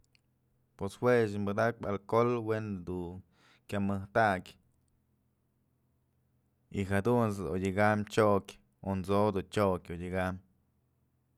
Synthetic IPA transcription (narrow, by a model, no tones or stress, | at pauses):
pwesweʃ̬imbɨd̪ak̚balkolwend̪u | kʲamɨht̪akʲ | ixad̪uns̬ojiɡamt͡ʃokʲ | ont͡sod̪ut͡ʃokʲojiɡam